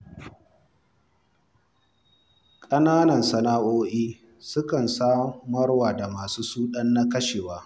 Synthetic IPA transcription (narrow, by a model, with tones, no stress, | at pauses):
kʼɐ˦naː˦nɐ˨nsɐ˨naː˦ʔoː˦ʔiː˦ | sʊ˦kɐ˨nsaː˦mɐ˦rwaː˨da˨maː˨suː˦suː˦ɗɐ˦nːa˦kɐ˦ʃeː˨waː˦